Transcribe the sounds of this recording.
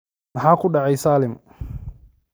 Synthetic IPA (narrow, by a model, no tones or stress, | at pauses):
naħaːkʊɗaʕɛjsaːlɪm